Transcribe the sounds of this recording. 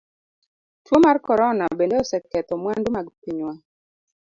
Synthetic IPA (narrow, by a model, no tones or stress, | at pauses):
twomarkɔɾɔnabendeɔsɛkɛt̪ɔmwandumaɡpiɲwa